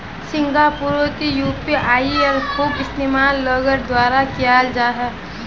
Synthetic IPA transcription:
sɪ̃ŋɡapuɾot̪ijuːpiʔaːiɔɾkʰuːbɪst̪eːmaːlːɔɡəɾd̪waːɾakijaːld͡ʒaːɦɛː

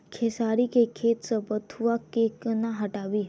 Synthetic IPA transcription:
kʰeːsaːɾikekʰeːt̪səbət̪ʰuʋakekənaɦɐʈaːʋiː

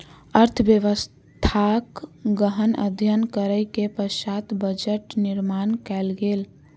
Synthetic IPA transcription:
əɾt̪ʰəbjəʋəs | t̪ʰakɡəɦənə̰d̪ʱjənkəɾəjkepəsat̪bəd͡ʒəʈniɾmankɛlɡel

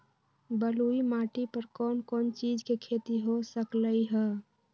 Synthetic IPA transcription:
bəluimaʈipəɾkɔːnkɔːnt͡ʃid͡ʒkekʰet̪iɦosəkləiɦɛ

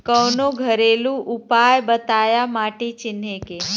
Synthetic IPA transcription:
kəwnoɡʱəɾeluʔupajbət̪ajamaʈet͡ʃɪneke

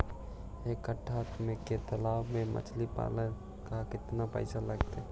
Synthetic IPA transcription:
ekəʈʰːat̪meket̪əlawmemə̰t͡ʃʰlipa̰lə | kakɪt̪napə̰ɪsaləɡt̪e

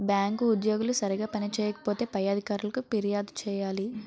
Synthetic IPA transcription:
bjaːŋkuːd̪joːɡulusɐɾiɡaːpɐnit͡ʃɛːjɐkɐ̥po̞ːt̪e̞ːpɐjːaːd̪ʱikaːɾulɐkupiɾijaːd̪t͡ʃɛːjaːli

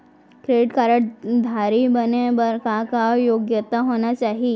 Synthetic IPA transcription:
kɾeɖɪʈkaɾəʈd̪ʱaɾibənebəɾkakajoɡjət̪aɦonat͡ʃaːɦi

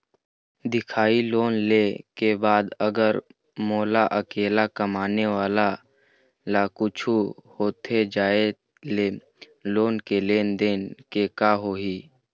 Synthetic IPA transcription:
d̪ɪkʰaːiloːnlekebaːd̪əɡəɾ | moːlaʔəkeːlakəmaːneʋaːla | lakʊt͡ʃʰuhoːt̪ʰed͡ʒaːe | leː | loːnkeleːnd̪eːnkekaɦoːɦiː

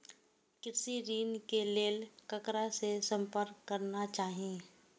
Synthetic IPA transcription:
kɪɾsiɾiːnkeleːlkəkɾasesə̃mpəɾkːəɾnat͡ʃaːɦiẽː

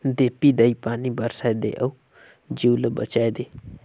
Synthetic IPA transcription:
d̪eːpiːd̪əipaːniːbəɾsaed̪ḛːʔəu | d͡ʒiuləbə̰t͡ʃaːed̪eː

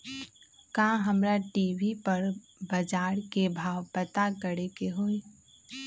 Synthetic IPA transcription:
kãːɦɐmɾaʈiːʋipəɾ | bɐd͡ʒaːɾkebʱaːʋpət̪akəɽekeɦoːi

